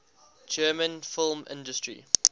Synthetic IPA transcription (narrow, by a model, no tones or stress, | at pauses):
d͡ʒɜːmə̃nfɪlˠmɪ̰̃ndəstɹḭ